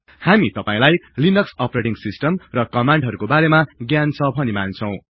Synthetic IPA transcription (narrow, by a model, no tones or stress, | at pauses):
hamit̪ʌpaĩlajlinʌksʌpɾeʈiŋsisʈʌmrʌkʌmaɳɖɦʌɾukobaɾemaɡjant͡sʰʌbʱʌnimant͡sʰʌw̃